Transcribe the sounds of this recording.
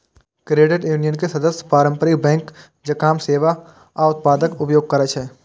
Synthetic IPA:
kɾeːɖɪʈjuːnijənkesɐd̪əspaːɾə̃mpəɾibɛ̃ːŋk | d͡ʒɐkaːmseːʋa | aʊt̪̚paːd̪əkʊpjoːɡ̚kɐɾət͡ʃɦɛː

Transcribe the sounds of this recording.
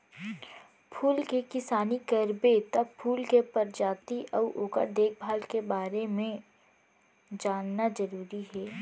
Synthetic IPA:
pʰuːlkekɪsaːnikɐɾbet̪ɐbpʰːuːlkepɐɾd͡ʒaːt̪iʔɔʔoːka̰d̪eːk̚ʰbʱaːlkebaːɾemẽ | d͡ʒaːnːazɐɾuːɾiɦɛː

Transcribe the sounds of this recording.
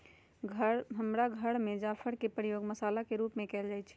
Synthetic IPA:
ɡʱəɦəmɾaɡʱəɽmed͡ʒapʰəɽkepɾijoːɡməsalakeɾupmekɛːld͡ʒaːjt͡ʃʰ

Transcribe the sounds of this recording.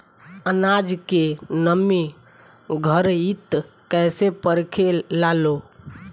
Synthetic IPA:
ənad͡ʒkenəmi | ɡʱəɾit̪ | kɛjsepəɾkʰelalo

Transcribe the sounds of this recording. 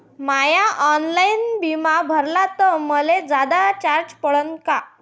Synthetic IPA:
majaʔɔnlainbimabʱəɾlat̪ɔməled͡zad̪at͡ɕaɾd͡ʑpəɭənka

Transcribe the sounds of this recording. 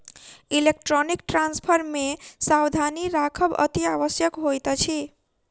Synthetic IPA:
ilek̚ʈɾɔnikʈranspʰʌɾmesawd̪ʱaniɾakʰʌbʌ̰t̪iabʌsjʌkɦojt̪ʌt͡sʰi

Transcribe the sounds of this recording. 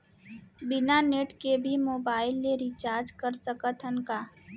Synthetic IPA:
bɪnaneːʈkebʱimoːbaːɪlːeɾit͡ʃaːɾd͡ʒkəɾsəkət̪ʰənkaː

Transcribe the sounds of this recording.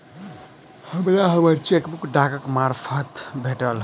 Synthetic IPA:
həmɾaɦəbəɾt͡ʃekbukɖakəkmaɾpʰət̪bʱeʈəl

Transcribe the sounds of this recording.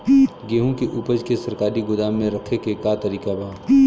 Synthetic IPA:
ɡeːɦũkeʔupəd͡ʒkesɐɾkaːɾiɡʊd̪aːmːẽɾɐkʰekekat̪ɐɾiːkabʱaː

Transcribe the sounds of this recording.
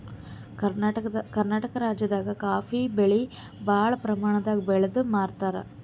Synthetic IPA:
kɐɾnaːʈɐkɐɾaːd͡ʒjɐd̪aːɡɐkaːfibeɭi | bʱaːɭɐpɾɐmaːɳɐd̪aːɡɐbɛɭɐd̪umaːɾt̪aːɾɐ̰

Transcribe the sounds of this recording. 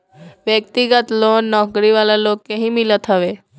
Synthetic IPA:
ʋjək̚t̪iɡət̪loːnːɔːkɾiʋaːlaloːɡkeɦĩmɪlət̪ɦəʋeː

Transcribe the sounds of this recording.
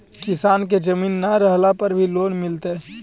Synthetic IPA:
kɪsaːnk̬ed͡ʒəmiːnːaɾəɦlapɐɾbʱiloːnmɪlt̪e

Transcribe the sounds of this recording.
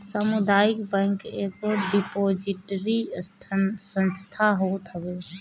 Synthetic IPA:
səmud̪aɪkbɛŋkekoɖipod͡ʒiʈəɾist̪ʰsə̃nst̪ʰaɦot̪ɦəbe

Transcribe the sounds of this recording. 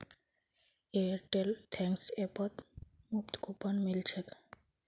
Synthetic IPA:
eɾʈelt̪ʰɛ̃ŋksepət̪mupt̪kupənmilt͡ʃʰek

